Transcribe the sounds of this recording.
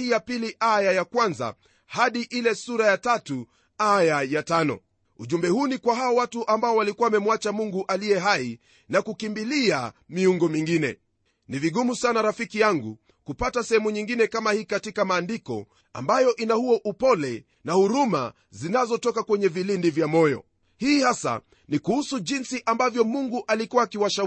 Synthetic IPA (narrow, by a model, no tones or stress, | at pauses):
hijapiliʔajajakwanza̰ | haɗiʔilɛsuɾajatatu | ajajatanɔ̰ | uʄumbɛhuːnikwaɦaɔwatuʔambaɔwalikuamɛmwat͡ʃamuŋɡuʔalijɛɦai | nakukimbiliamiuŋɡɔmiŋɡinɛ̰ | niviɠumusanaɾafikijaŋɡṵ | kupatasɛhɛmuɲiŋɡinɛkamahiːkatikamaːndikɔ̰ | a̰mbajɔʔinahuɔʔupɔlɛ | nahuɾuma̰ | zinazɔtɔkakwɛɲɛvilindivjamɔjɔ̰ | hiːhasa̰ | nikuhusuʄinsiʔambavjɔmuŋɡuʔalikuwaːkiwaʃa